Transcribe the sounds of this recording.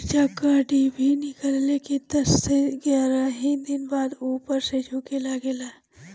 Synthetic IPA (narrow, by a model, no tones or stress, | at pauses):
t͡ʃakaːɖibʱinɪkəllekid̪ɐsːeɡaːɾaɦid̪ɪnbaːd̪uːpəɾsed͡ʒʱoːkelaɡeːla